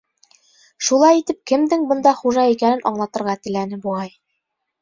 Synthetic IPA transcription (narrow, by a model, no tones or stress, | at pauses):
ʃulˠɑjit̪ɘp̚kɘ̆md̪ɘŋbɤ̆nd̪ɑχuʒɑikænɘnʔɒɴlˠɑt̪ɤ̆ɾʁɑt̪ɘ̆lænɘbuʁɑj